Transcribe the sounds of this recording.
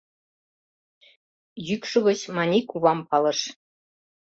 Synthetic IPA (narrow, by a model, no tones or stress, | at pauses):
jykʲʂuɣɤ̆ɕmɑnʲikuβɑmpɑlˠɤ̆ʂ